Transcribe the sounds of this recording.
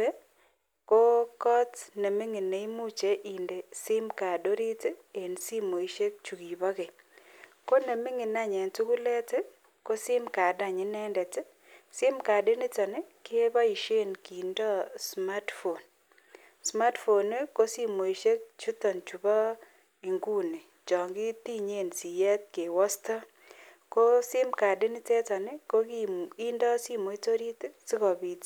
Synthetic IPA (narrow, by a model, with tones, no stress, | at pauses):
e˦ | ko˦kɔ˦tne˨mɪ˦ŋɪ˨ne˨i˦mu˦t͡ʃe˦ʔi˨nde˨sɪ˦mka˨do˦ɾi˦te˦e˨nsi˦mo˨i˨ʃe˦k̚t͡ʃu˨ɡi˨bɔ˦ɡɪ˨ | ko˦ne˨mɪ˦ŋɪ˨na˦ɲɛ˨ntu˦ku˦lɛ˦te˦ | ko˦sɪ˦mka˨da˨ɲɪ˨nɛ˦ndɛ˨tɪ˦ | sɪ˦mka˨dɪ˦nɪ˦tɔ˨nɪ˦kɪ˦e˦bɔ˦i˨ʃe˦˨nki˨ndɔ˦sma˦tfo˨n | sma˦tfo˨ne˦ko˦si˦mo˨i˨ʃe˦kt͡ʃu˦tɔ˨nt͡ʃu˨bɔ˦ | i˨ŋɡu˦ni˨ | t͡ʃɔ˨ŋɡɪ˦t̪i˦ɲe˦˨nsi˨jɛ˦t̪̚ke˨wɔ˦stɔ˦ | ko˦sɪ˦mka˨dɪ˦nɪ˦tɛ˦tɔ˨nɪ˦ko˦kii˦ndɔ˦si˦mo˨i˦to˦ɾi˦tsɪ˦kɔ˨bi˨t